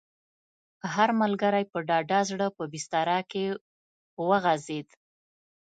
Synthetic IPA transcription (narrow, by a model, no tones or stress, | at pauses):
ɦaɾmalɡaɾajpəɖɑɖɑzɽəpəbist̪ɑɾɑke | wəɣazed̪